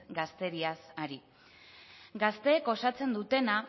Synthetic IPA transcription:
ɡast̪e̞ɾiasaɾi | ɡast̪e̞ːko̞sat͡se̞nd̪ut̪e̞na

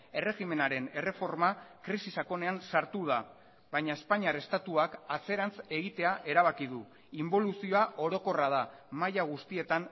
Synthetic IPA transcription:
e̞re̞ɣime̞naɾe̞ne̞re̞fo̞ɾmakɾisisako̞ne̞ansaɾt̪uða | βajɲae̞spaɲiare̞st̪at̪uakat͡se̞ɾant͡se̞ɣ̞it̪e̞aʔe̞ɾaβ̞akið̞u | imbo̞lusioaʔo̞ɾo̞ko̞raðamajaɣ̞ust̪ie̞t̪an

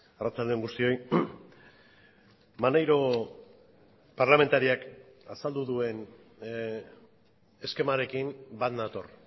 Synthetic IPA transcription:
arat͡sald̪eŋɡust̪io̞j | manajɾo̞ | paɾlame̞nt̪aɾiak | asald̪uðue̞n | e̞ske̞maɾe̞kimbat̪nat̪o̞r

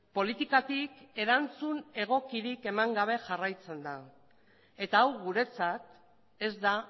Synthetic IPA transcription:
po̞lit̪ikat̪ike̞ɾant͡sune̞ɣ̞o̞kiɾike̞maŋɡaβ̞e̞ʝarajt͡se̞nd̪a | e̞t̪aːwɣuɾe̞t͡sat̪ | e̞zd̪a

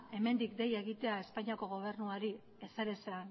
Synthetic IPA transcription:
e̞me̞nd̪ikd̪e̞je̞ɣit̪e̞ae̞spaɲiako̞ɣ̞o̞β̞e̞ɾnuaɾi | e̞saɾe̞sean

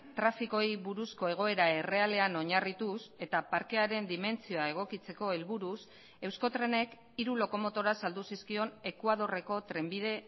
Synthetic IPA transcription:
t̪ɾafiko̞jβuɾusko̞e̞ɣ̞o̞e̞ɾae̞re̞ale̞ano̞ɲarit̪use̞t̪apaɾke̞aɾe̞nd̪ime̞nt͡sio̞ae̞ɣ̞o̞kit͡se̞ko̞e̞lβuɾus | e̞wsko̞t̪ɾe̞ne̞k | iɾulo̞ko̞mo̞t̪o̞ɾasald̪usiskio̞ne̞kwað̞o̞re̞ko̞t̪ɾe̞mbið̞e̞

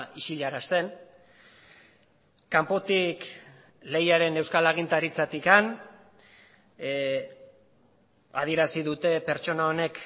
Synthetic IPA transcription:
iʃiʎaɾast̪e̞n | kampo̞t̪ik | le̞jaɾe̞ne̞wskalaɣ̞int̪aɾit͡sat̪ikan | a̰ðie̞ɾasiðut̪e̞pe̞ɾt͡ʃo̞nao̞ne̞k

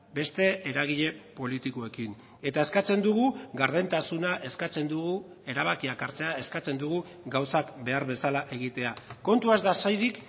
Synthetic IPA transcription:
be̞st̪e̞ːɾaɣ̞iʎe̞po̞lit̪ikoe̞kin | e̞t̪ae̞skat͡se̞nd̪uɣuɣaɾðent̪asunaʔe̞skat͡se̞nd̪uɣu | e̞ɾaβ̞akiakaɾt͡se̞ae̞skat͡se̞nd̪uɣu | ɡawsakbe̞aɾβe̞salaʔe̞ɣ̞it̪e̞ako̞nt̪uazd̪asajðik

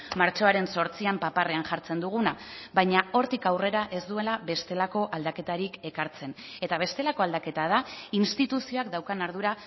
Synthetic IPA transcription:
maɾt͡ʃo̞aɾe̞nso̞ɾt͡siampapare̞anʝaɾt͡se̞nd̪uɣ̞unaβajɲao̞ɾt̪ikawre̞ɾaʔe̞zd̪ue̞laβe̞st̪e̞lako̞ʔald̪ake̞t̪aɾike̞kaɾt͡se̞n | e̞t̪aβ̞e̞st̪e̞lako̞ald̪ake̞t̪að̞ainst̪it̪usio̞akd̪awkanaɾðuɾa

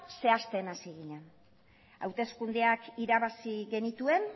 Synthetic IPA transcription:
se̞ast̪e̞nasiɣiɲen | a̰wt̪e̞skund̪eakiɾaβasiɣe̞nit̪ue̞n

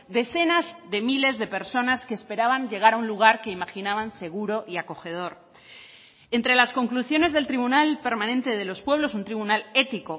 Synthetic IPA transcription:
d̪e̞θe̞nazðe̞mile̞zðe̞pe̞ɾso̞naske̞ːspe̞ɾaβaɲʝe̞ɣ̞aɾaunluɣ̞aɾke̞imaxinaβanse̞ɣ̞uɾo̞ʔiako̞xe̞ð̞o̞ɾ | e̞nt̪ɾe̞lasko̞ŋkluθjo̞ne̞zðe̞lt̪ɾiβunalpe̞ɾmãnẽnt̪e̞ðe̞lo̞spwe̞β̞lo̞sunt̪ɾiβunale̞t̪iko̞

